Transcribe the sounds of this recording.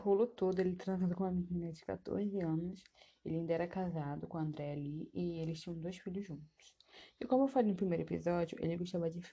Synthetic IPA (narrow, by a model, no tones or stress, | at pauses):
ɦolʊt̪od̪ʊelɪt̪ɾɐ̃zlowkõɐminĩnɐd͡ʒɪka̰t̪o̰ɾzɪɐ̃nʊs | elɪĩd̪ɐɛɾɐkazad̪ʊkõɐ̃nd̪ɾɛaliʔɪelɪst͡ʃĩɲɐ̃w̃d̪ojsfiʎʊzʒũnt̪ʊ̥sɪkõmʊewfalejnʊpɾimejɾʊepḭzɔd͡ʒjʊʔḛlɪɡoʃt̪avɐd͡ʒɪf